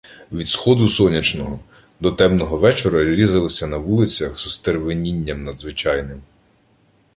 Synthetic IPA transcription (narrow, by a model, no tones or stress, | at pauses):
ʋʲid̪sxɔd̪ʊsɔnʲɐt͡ʃnɔɦɔ | d̪ɔt̪ɛmnɔɦɔʋɛt͡ʃɔɾɐɾʲizɐlˠɔsʲɐnɐʋulˠɪt͡sʲɐxz̥ʊst̪erʋenʲinʲːɐmnɐd̪zʋɪt͡ʃɑjnɪm